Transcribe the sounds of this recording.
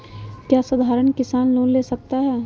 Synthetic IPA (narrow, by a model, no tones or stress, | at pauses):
kjaːsʊd̪ʱaːɾəɳkɪsaːnloːnleːsɐk̚t̪aɦɛː